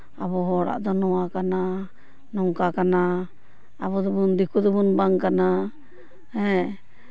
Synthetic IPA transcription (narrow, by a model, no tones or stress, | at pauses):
abɔɦɔɽa̰ʔd̪ɔnɔwakana | nɔŋkakanaː | bɔd̪ɔbund̪ikud̪ɔbunbaŋkana | hɛ